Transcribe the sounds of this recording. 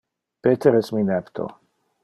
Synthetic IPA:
pet̪ʰeɾɛsminɛpt̪ʰo̰

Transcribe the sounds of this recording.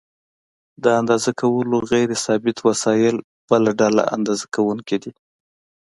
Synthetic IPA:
d̪əand̪ɑzakawəloɣajɾesɑbɪt̪wasɑjɪl | b̥əlaɖala̰a̰nd̪ɑzakawuŋkid̪i

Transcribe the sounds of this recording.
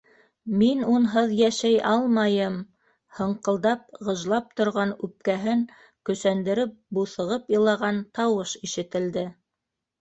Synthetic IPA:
minunɦɤðjæʃæjʔɑlˠmɑjɤm | hɤ̆ɴqɤ̆lˠd̪ɑp̚ʁɤ̆ʒlˠɑp̚t̪ŏɾʁɑnʉp̚kæɦɘŋ | kɵ̆sænd̪ɘ̆ɾɘp̚buθɤ̆ʁɤpjɤ̆lˠɑʁɑnt̪ɑwɤʃiʃɘ̆t̪ɘ̆ld̪ɘ

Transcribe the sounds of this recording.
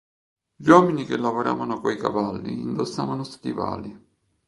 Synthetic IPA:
ʎwɔːminikelːavoɾa̰ːvanʊkoika̰valːiːnd̪osːaːvanʊst̪ḭva̰ːli

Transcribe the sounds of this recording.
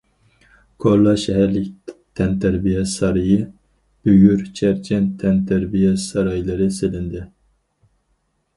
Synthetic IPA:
kʰoɾlˠɑʃɛɦæɾlɪkʲt̪ʰɛnt̪ʰæɾbijɛsɑɾɨjɨ | b̥øɡʲyɾt͡ʃʰɛɾt͡ʃʰɛnt̪ʰɛnt̪ʰæɾbijɛsɑɾɑjlˠɨɾɨselɪnd̪ɪ

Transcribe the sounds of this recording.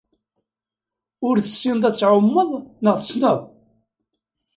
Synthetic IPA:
ʊɾθəsːinðˤæt͡sːʕʊmːəðˤnəʁθəsnəðˤ

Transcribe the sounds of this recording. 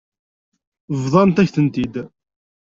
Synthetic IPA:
vðˤɑnt̪æçθənt̪id̪

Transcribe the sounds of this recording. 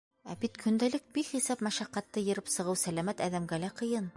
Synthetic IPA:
æbit̪kʰɵ̆nd̪ælɘk̚bikχisɑp̚mæʃæqːæt̪ːɤjɤ̆ɾɘpsɤ̆ʁɤwsælæmæt̪æðæmɡælæqɤ̆jɤn

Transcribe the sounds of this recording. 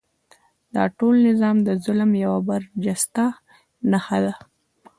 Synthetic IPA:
d̪̥ɑ̰ʈolnɪzɑmd̪əzʊlmjawabaɾd͡ʒast̪a | naxad̪a

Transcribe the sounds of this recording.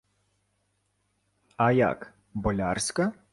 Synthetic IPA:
ɐja̰k | bɔlʲarsʲkɐ

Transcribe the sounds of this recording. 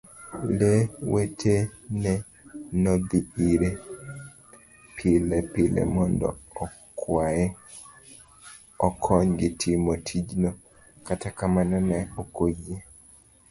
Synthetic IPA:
lewetʰenɛ | nod̪iiɾe | pʰɪlɛpɪlḛmɔndɔ̰ː | kwajɛ | ɔkʰɔɲɡɪtʰɪmotʰid͡ʒnɔ | katakamanɔnɛokoje

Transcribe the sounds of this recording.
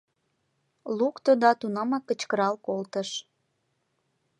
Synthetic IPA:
lukt̪od̪ɑt̪unɑmɑkət͡ɕkəɾɑlkolt̪əʃ

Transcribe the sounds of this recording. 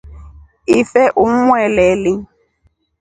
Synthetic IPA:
ifɛʔum̩wɛlɛlɪ

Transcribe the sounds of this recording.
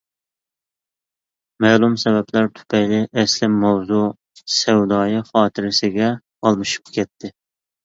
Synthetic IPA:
mæːlˠumsɛbɛplæɾt̪ʰy̥pʰɛjlɪʔɛslɪmːɛwzu | sɛwd̪ɑːjɨχɑːt̪ʰɪɾɪsɪɡʲɛ | ɑlˠmɨʃu̥pkʲʰɛt̪ʰːɪ

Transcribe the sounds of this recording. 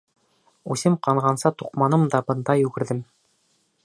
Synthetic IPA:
ʉsɘmqɑɴʁɑnsɑt̪uqmɑnɤmd̪ɑbɤ̆nd̪ɑjʉɡɘ̆ɾðɘm

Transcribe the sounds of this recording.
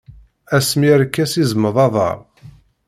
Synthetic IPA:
æsmiɾkːæsizəmːəðˤɑðˤɑ̰ɾˤ

